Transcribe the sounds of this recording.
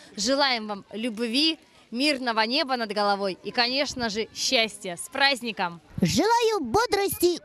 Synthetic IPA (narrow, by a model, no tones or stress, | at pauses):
ʐɨlˠajɪmvamlʲʊbvʲi | mʲirnəvənʲe̞bənəd̪ɡəlˠɐvo̞jikɐnʲe̞ʂnəʐɨɕːæsʲtʲɪjəspɾazʲnʲɪkəmʐɨlˠajʊbod̪ɾəsʲtʲɪ